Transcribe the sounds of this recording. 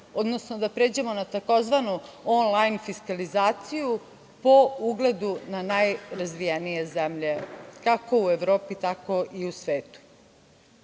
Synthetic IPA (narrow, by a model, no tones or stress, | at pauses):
od̪no̞snod̪apɾeːd͡ʑe̞mo̞nat̪ako̞zʋanuonlˠajnfiskalizaːt̪siju | po̞uɡle̞d̪unanajɾazʋijenije̞zemʎe̞kako̞ueʋɾo̞ːpit̪ako̞ʔiusʋeːt̪u̥